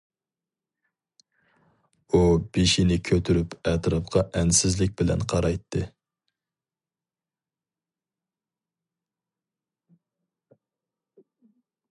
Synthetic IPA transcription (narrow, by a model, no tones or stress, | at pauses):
ub̥eʃinɪkʲʰøt̪ʰyɾypʰɛt̪ɾɑpqʰɑʔɛnsɪzlɪk̚ʲbɪlɛ̰nqʰɑɾɑjt̪ʰːɨ